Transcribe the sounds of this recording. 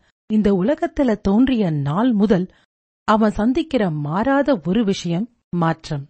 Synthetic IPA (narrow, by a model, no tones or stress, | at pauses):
ɪnd̪ɐʊlɐɣɐt̪ːɪlɐt̪oːndrɪjɐnaːlmʊðɐl | ɐʋɐ̃nsɐnd̪ɪkːɪrɐmaːɾaːðɐɔɾɯʋɪʂɐjɐmː | aːʈrɐm